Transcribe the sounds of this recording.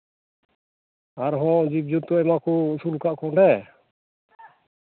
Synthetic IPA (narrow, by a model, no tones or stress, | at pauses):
aɾɦɔ̃d͡ʒib̚d͡ʒuɾt̪ɔɛmakusulkaʔkɔɳɖɛ